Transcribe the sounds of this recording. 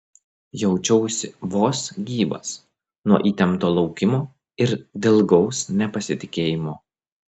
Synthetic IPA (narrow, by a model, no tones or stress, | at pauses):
jɛʊt͡ʃʲɛʊsʲɪʋoːsɡʲiːbɐ̰s | nuɔʔiːt̪ʲɛmt̪oːlˠɒʊkʲɪmoː | ɪɾd̪ʲɪlˠɡɒʊsnʲɛpɐsʲɪt̪ʲɪkʲeːjɪmoː